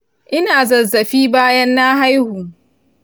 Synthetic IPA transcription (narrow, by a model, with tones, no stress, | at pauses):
ʔɪ˦naː˨zɐ˨zɐ˨ɸiː˦baː˦jɐ˦nːa˦ɦa˦jhuː˨